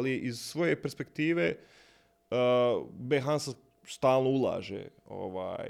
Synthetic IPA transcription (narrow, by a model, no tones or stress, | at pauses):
liʔizsʋo̞je̞peɾspe̞kt̪iːʋe | beɦanse | st̪aːlˠnoulˠa̰ːʒḛ | o̰ʋa̰ːj